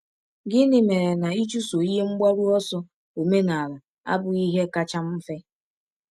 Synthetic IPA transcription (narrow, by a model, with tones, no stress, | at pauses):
ɡɪ˦nɪ˨˦me˨ɾe˨na˨i˦t͡ʃu˦so˨i˦e˦ŋ͡m̩˦ɡ͡ba˦ɾu˦ɔ˦sɔ˦ | o˨me˦na˨la˨ | a̰˦bʊ˨i˦ɦe˦ka˦t͡ʃa˦m̩˦fe˦